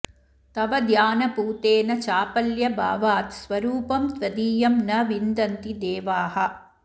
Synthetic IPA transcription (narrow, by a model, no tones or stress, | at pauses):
t̪ɐʋɐd̪jaːnɐpuːt̪eːnɐt͡ʃaːpɐljɐbʱa̰ːʋaːt̪sʋɐɾuːpɐmt̪ʋɐd̪iːjɐmnɐʋind̪ɐnt̪id̪eːʋaːhɐ̆